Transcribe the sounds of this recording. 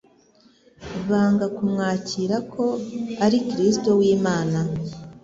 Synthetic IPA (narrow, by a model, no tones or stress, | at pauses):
βaːŋɡakumŋaːciːɾakʰo̞aɾikɾisto̞wiːmaːna